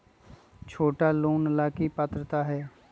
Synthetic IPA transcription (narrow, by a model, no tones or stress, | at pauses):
t͡ʃʰoːʈaːloːnəlaːkiːpət̪ɾət̪aːɦɛː